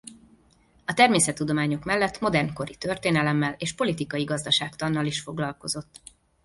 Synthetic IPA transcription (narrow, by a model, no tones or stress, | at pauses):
ɒt̪ɛrmeːsɛt̪ːud̪o̞maːɲo̞kmɛlːɛt̪mo̞d̪ɛrnko̞ɾit̪ørt̪eːnɛlɛmːɛleːʃpo̞lit̪ikɒjiɡɒzd̪ɒʃaːkt̪ɒnːɒliʃfo̞ɡlɒlko̞zo̞t̪ː